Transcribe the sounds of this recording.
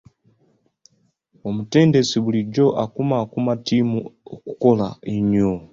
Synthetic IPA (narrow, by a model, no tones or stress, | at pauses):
omute̞ːnde̞siβuliɟo̞ʔakumakumatiːmuoku̥ko̞laeɲo